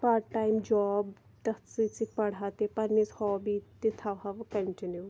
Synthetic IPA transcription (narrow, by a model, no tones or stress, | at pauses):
paɾʈːaːimd͡ʒɔːb | t̪ɐsisik̚pɐɽaːt̪eːpɐɾnishɔːbiːt̪et̪ʰaʋɦaʋkəɳʈɪnjuː